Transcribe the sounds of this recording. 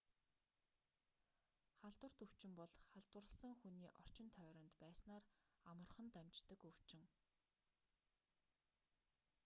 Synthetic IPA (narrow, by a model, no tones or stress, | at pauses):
χaɮt̪wə̆r̥t̪ɵw̥t͡ɕɪ̆mpɔɮχaɮt̪wə̆rə̆ɮsə̆ŋxuniːʔɔr̥t͡ɕɪ̆nt̪ʰœːɾɞ̆nt̪pæːsnaːramə̆rχə̆nt̪amʲt͡ɕt̪ə̆kɵw̥t͡ɕɪ̆ŋ